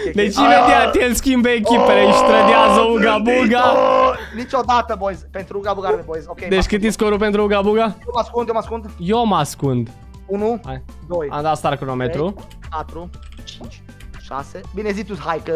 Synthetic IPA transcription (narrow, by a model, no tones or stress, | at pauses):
d̪et͡ʃivet̪iat̪eskimbekipeɾɐiʃt̪ɾɐd̪jazɐuɡabuɡɐ | nĩt͡ʃɔd̪at̪ɐbojspẽnt̪ɾuɡabuɡamepojsoked̪eʃkɨt̪iskoɾupẽnt̪ɾuuɡabuɡɐjomaskũnd̪jomaskũnd̪jomaskũnd̪ | unua | d̪ojãnd̪ast̪aɾkunomet̪ɾu | kat̪ɾʊt͡ʃit͡ʃ | ʃa̰sɪbinezit̪ushajkɐ